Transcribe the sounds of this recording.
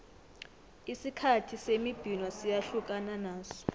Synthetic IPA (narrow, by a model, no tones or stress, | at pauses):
isikʰatʰisemib̥ʱinwɔsijaɬukʼananaːsɔ̥